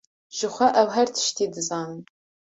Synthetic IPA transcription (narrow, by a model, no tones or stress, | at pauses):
ʒ̥ɪχʷɐʔɐwħɐrtʰʃtʰiːdɨzaːn